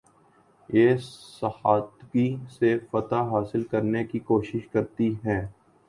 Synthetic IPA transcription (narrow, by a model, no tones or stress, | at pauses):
jeːsɐhaːt̪ɡisefɐt̪aɦaːsɪlkɐɾnekikoːʃɪʃkɐɾt̪iɦɛ̃ː